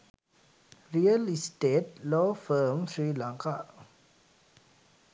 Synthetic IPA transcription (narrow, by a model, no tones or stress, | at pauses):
ɹiəlistetlɔfəmsɹilãŋka